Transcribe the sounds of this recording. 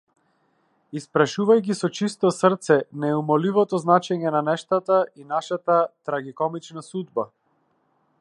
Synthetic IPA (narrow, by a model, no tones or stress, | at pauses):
ispɾaʃuvajk̬isɔt͡ʃist̪ɔsrt̪sɛnɛumɔlivɔt̪ɔznat͡ʃɛɲɛnanɛʃt̪at̪ainaʃat̪at̪ɾaɡikɔmit͡ʃnasud̪ba